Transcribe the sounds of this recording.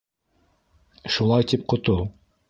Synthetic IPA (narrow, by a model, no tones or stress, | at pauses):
ʃulˠɑjt̪ip̚qŏt̪olˠ